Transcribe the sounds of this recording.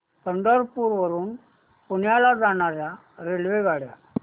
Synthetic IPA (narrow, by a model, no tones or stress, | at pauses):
pəɳɖəɾpuːɾʋəɾuːn | punjalad͡zaɳ̃aɾja | ɾelʋeɡaɽja̰